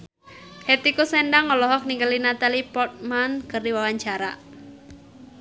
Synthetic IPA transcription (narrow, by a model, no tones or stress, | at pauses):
het̪ikusɛnɖaŋɔlɔɦɔk̚niŋɡəlinat̪alipɔt̪̚mankərdiwawaɲt͡ʃaɾa